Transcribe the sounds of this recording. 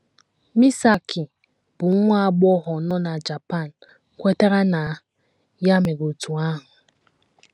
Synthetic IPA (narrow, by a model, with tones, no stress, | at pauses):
mi˦sa˨kʰɪ˨ | b̥ʊ˨˦ŋʷ˦a˦ɡ͡bɔ˦ɦɔ˨nɔ˦na˨d͡ʒa˨pa˦˨n̩˨ | kʷe˦ta˦ɾa˦na˨ | ja˦me˨ɡo˨tu˨a˦ɦʊ˨